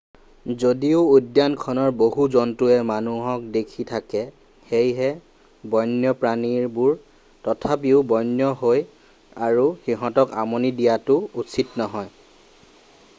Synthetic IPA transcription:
zodiʊudjankʰɔnɔɹboɦuzɔntuɛmanuɦɔk̚dekʰitʰakɛ | xejɦɛ | bɔjnjɔpɹaniɹbuɹ | tɔtʰapiʊbɔjnjɔɦoj | aɹuxiɦɔ̃tɔka̰monidijatʊːsʰitnɔɦɔj

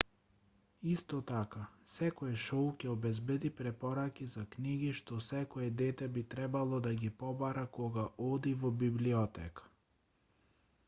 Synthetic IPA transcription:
ist̪ɔt̪akasɛkɔɛʃɔwcʲɛɔbɛzbɛd̪ipɾɛpɔɾakʲizakniɡiʃt̪ɔsɛkɔɛd̪ɛt̪ɛbit̪ɾɛbalˠɔd̪aɡʲipɔbaɾakɔɡaʔɔd̪ivɔbibliɔt̪ɛkḁ

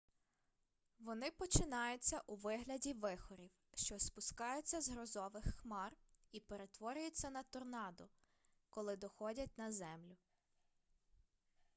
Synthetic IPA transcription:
ʋɔnɪpɔt͡ʃɪnɑjʊt͡sʲːɐʔuʋɪɦlʲɐdʲiʋɪxɔɾʲiw | ʃt͡ʃɔspʊskɑjʊt͡sʲːɐzɦɾɔzɔʋɪxːmɑripe̞ɾet̪ʋɔɾʲʊjʊt͡sʲːɐnɐt̪ɔrnɑd̪ʊ | kɔlˠɪd̪ɔxɔdʲɐt̚ʲnɐzɛmlʲʊ

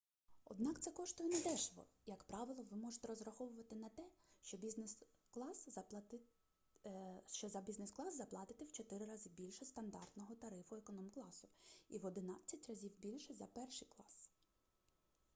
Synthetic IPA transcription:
ɔ̰d̪nɑkt̪sɛkɔʃt̪ɔjɔnɛd̪ɛʃlˠɔ̰jɐkpɾɑʋɪlˠɔʋɪmɔʒet̪ɛɾɔzɾɐxɔʋʊʋɐt̪ɪnɐt̪ɛʃt͡ʃɔbʲiznklˠɑs | ʃt͡ʃɔzɐbʲiznesklˠɑzːɐplˠɑt̪ɪt̪ɪwt͡ʃɔt̪ɪɾɪɾɑzʲibʲilʲʃɛst̪ɐnd̪ɑrt̪nɔɦɔt̪ɐɾɪfʊekɔnɔmklˠɑsʊḭʋɔd̪ɪnɑt͡sʲːɐtʲrɐzʲiwbʲilʲʃɛzɐpɛrʃijklˠɑs

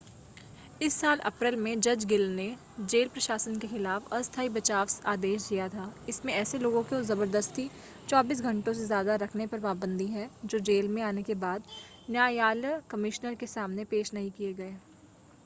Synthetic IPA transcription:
ɪsːaːlʔɐ̰pɾɪlmẽd͡ʒɐd͡ʒɡɪlne | d͡ʒeːlpɾɐʃaːsənkexɪlaːfɐst̪ʰaːibɐt͡ʃaːʋsaːd̪eːʃd̪ijat̪ʰaːɪsmẽɛːseloːɡõkezɐbəɾd̪əst̪i | t͡ʃɔːbiːs̬ɡʱɐ̃ɳʈõsezjaːd̪aɾɐkʰnepɐɾpaːbə̃nd̪ʱiɦɛd͡ʒoːd͡ʒeːlmẽaːnekebaːd̪ | njaːjaːləkɐmɪʃnəɾkesaːmnepeːʃnɐɦĩkieɡɐeː

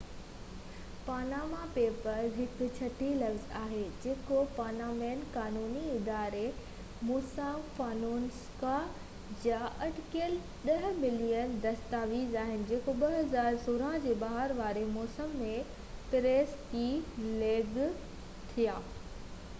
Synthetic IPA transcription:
paːnaːmapeːpəɾzɦɪkʊ̆t͡ɕʰɐʈilɐfzaːɦed͡ʑeːkopaːnaːmeːnkaːnuːniɪd̪aːɾe | moːsaːmfaːnoːnska | d͡ʑaʔɐʈɪkəl | ɗɐɦmɪlijənd̪ɐst̪aːʋiːzaːɦɪnɪ̆d͡ʑeːkoɓɐɦɐzaːɾsoːɾad͡ʑeːbaːɦəɾʋaːɾemɔːsəmːẽ | pɪɾeːskileːɡ | t̪ʰijaː

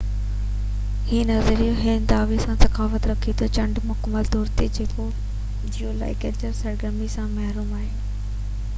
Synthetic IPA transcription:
hiːnɐzəɾijoɦɪnd̪aːʋisãsɐkaːfət̪ɾɐkʰit̪ʰot͡ɕɐ̃ɳɖmʊkməld̪oːɾt̪ed͡ʑeːko | d͡ʑijola̰ːɪkəɾt͡ɕəɾsɐɾɡəɾmisãmɐɦɾuːmaːɦeː

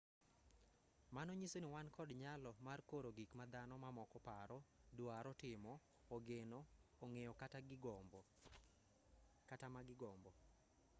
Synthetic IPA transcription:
manoɲisoniwankʰɔdɲalɔmarkoɾoɡikmad̪anɔmamɔkɔpaɾɔdwaɾɔtɪmɔː | ɡenoːŋejɔkataɡb | katamaɡɪɡɔmbɔ

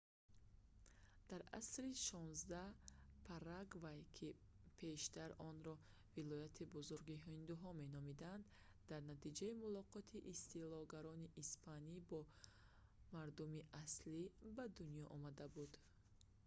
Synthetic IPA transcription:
d̪̥aɾa̰sɾiʃɔnzd̪apʰaɾaɡvajkʰi | pʰe̞ʃt̪aɾɔnɾɔ | vilɔjat̪ʰibuzuɾɡiɦind̪uɦɔme̞nɔmid̪and̪ | d̪aɾnat̪id͡ʒaimulɔqʰɔt̪ʰiʔist̪ilɔɡaɾɔniʔispʰanibɔ | maɾd̪umiʔaslibad̪unjɔʔɔmad̪abud̪

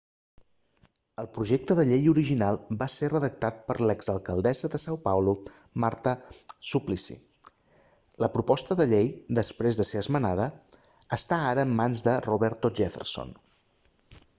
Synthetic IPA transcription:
əlˠpɾuʒek̚t̪əðəʎejuɾiʒinalˠbaserəðək̚t̪at̪̚pəɾləɡzəlˠkəlˠd̪ɛzəðəsawpawlu | maɾt̪əsuplisḭ | ləpɾupɔst̪əðəʎejd̪əspɾezðəseəzmənaðəː | st̪aaɾəːmːanzðəruβɛɾt̪uʒefə̰rso̰n

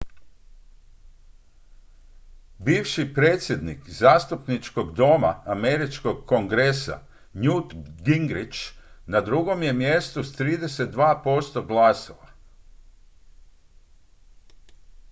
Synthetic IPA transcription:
biːʋʃipɾe̞ːt̪sʲje̞d̪nikzaːst̪upnit͡ʃko̞ɡd̪o̞ma̰ameɾit͡ʃko̞ɡ̚ko̞ŋɡɾesa̰ | ɲut̪ɡiŋɡɾit͡ʃnad̪ɾuɡo̞mje̞mje̞st̪ust̪ɾiːd̪e̞se̞t̪̚d̪ʋaːpo̞st̪o̞ɡlˠaːsoʋa

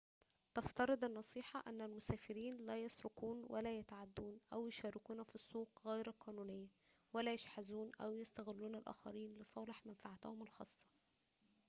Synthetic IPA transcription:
t̪ɑft̪ɑɾˤɨd̪ˤɪnːɑsˤiːħɑʔæ̰nːælmʊsæːfɪɾiːnlæːjɑsɾʊkuːnwʔælæːjæt̪ʕad̪ːuːnʔæwjʊʃæːɾɪkuːnæfisˤːuːqɣæjɾqʰɑːnuːnɪjːæ | wælæjeʃħazuːnʔæ̰wjæst̪æɣɪlːuːnælʔæ̰ːxɑ̰ɾiːnlesˤɑːleħmænfaʕat̪æhʊmɪlxɑːsˤːɑ̥

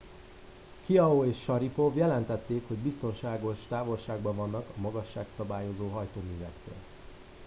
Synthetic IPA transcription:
kiɒoeːʃːɒɾipo̞vjɛlɛnt̪ɛt̪ːeːkho̞ɟbist̪o̞nʃaːɡo̞ʃt̪aːvo̞lʃaːɡbɒvɒnːɒkɒmɒɡɒʃːaːksɒbaːjo̞zoːɦɒjt̪oːmyːvɛkt̪ø̰ːl

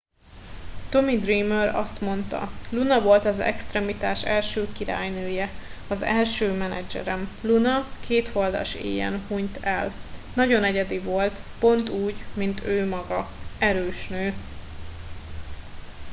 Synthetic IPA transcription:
t̪o̞mid̪rimøɾɒ̰st̪mo̞nt̪ɒ̰lunɒvo̞lt̪ɒzɛ̰kst̪rɛmit̪aːʃɛlʃøːkiɾa̰ːjnøːjɛɒzɛlʃøːmɛnɛ̰d͡ʒɛ̰ɾɛmlunɒkʰeːt̪ho̞ld̪ɒ̰ʃḛːjɛ̰nhuɲt̪ɛlnɒɟo̞nɛɟɛd̪ivo̞lt̪po̞nt̪uːɟmint̪ʰøːmɒɡɒɛɾøːʃnøː

